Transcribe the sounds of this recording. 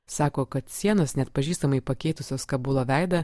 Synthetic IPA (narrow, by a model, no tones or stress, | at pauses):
sɑːkoːkɐt̪sʲiɛnoːsnʲɛt̪̚pɐʒʲiːst̪ɐmɐɪpɐkʲɛɪt̪ʊsʲoːskɐbulˠɐʋʲæɪd̪ɐ